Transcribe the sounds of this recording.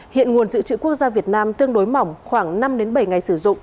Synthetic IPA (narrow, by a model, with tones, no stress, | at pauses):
hḭ˧˨ənŋu˨˩ənzɨ̰˧˨t͡ɕɨ̰˧˨ku˦˥ək̚zaː˧vi˨˩ət̚naː˧mt̪ɨ˧əŋɗo˨˦jma˨˧˩wŋ͡mxwaː˧˩ŋna˧mɗe˨˦nɓə˧˩jŋa˨˩jsɨ˧˩zʊ̰˧˨ŋ͡m